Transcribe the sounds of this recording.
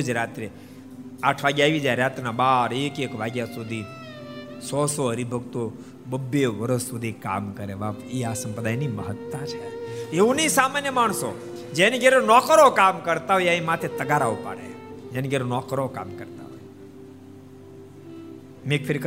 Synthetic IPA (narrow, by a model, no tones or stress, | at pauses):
d͡ʒɾat̪ɾe | aʈʰʋaɡjaiʋid͡ʒaɾɾat̪nabaɾekekʋaɡjasud̪ʱi | sɔsɔəɾibʱəɡt̪o | bəbːeʋəɾəsːud̪ʱika̰mkəɾeʋapeasəmpəd̪ajniməɦət̪ːãt͡ʃʰeeũnisamanjəmaɳ̃so | d͡ʒeniɡʱeɾonɔkɾokamkəɾt̪aɦojeaĩmat̪ʰet̪əɡaɾaupa̰ɽḛd͡ʒeniɡʱeɾonɔkɾoka̰mkəɾt̪a̰ɦo̰je | mekfʰeɾik